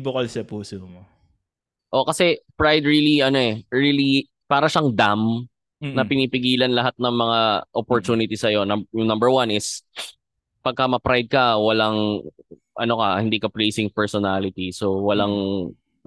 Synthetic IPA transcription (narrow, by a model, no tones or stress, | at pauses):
bokɐlsɐpuːsomo | ʔo̞kɐsɛpɹajd̪ɹiːliʔɐno̞ʔɛɹiːli | paːɾɐʃaŋd̪am | nɐpɪniːpɪɡiːlɐnlɐɦat̪̚nɐŋmɐŋaʔopoɹt̪uːnɪt̪isɐjo̞nɐmbjʊŋnɐmbɛɹwanɪs | pɐɡ̚kɐmɐpɾajd̪̚kɐwɐlaŋ | ʔɐno̞kɐhɪnd̪iːkɐplejsɪŋpɛɹsonalɪt̪isowɐlaŋ